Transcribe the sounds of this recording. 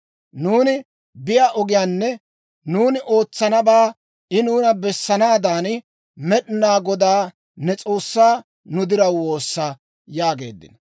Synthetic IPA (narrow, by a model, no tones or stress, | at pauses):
nuːnɪ | bɪjaːʔɔɡɪjaːnːɛ | nuːnɪʔo̞ːt͡sːɐnɐbaː | ɪnuːnɐbɛsːɐnaːd̪aːn | mɛɗɪnaːɡɔd̪aː | nɛt͡sʼo̞ːsːaː | nʊd̪ɪɾɐwwo̞ːsːɐ | jaːɡe̞̰ːd̪ːɪ̰nɐ